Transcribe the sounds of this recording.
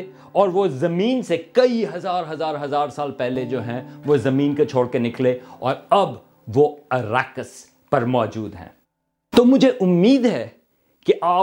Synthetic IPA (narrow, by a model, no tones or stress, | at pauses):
ɔːɾʋozɐmĩːnsekɐiɦɐzaːɾɦɐzaːɾɦɐzaːɾsaːlpɛɦled͡ʒoːɦɛ̃ʋozɐmiːnket͡ʃʰoːɽkenɪkleɔːɾɐb | ʋoɐɾaːkəs | pɐɾmɔːd͡ʒuːd̪ɦɛ̰̃ː | t̪oːmʊd͡ʒʱeʔʊmːiːd̪ɦɛ | kiʔaː